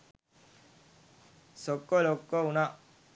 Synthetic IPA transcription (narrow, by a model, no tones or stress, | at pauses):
sɔkːɔlokːɔuna